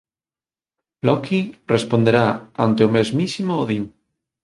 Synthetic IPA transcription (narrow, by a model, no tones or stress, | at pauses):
lokirespond̪eɾaa̰nt̪eomezmisimoːðiŋ